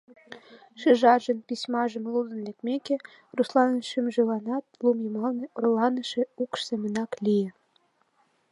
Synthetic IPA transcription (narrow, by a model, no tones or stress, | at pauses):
ʃeʒɑʒə̆npisʲmɑʒə̆mlud̪ə̆nlekmekĕ | ruslˠɑnəʃimʒelɑnɑt̪̚lumjemɑlneurlɑnə̆ʃĕukʃsemə̆nɑklijĕ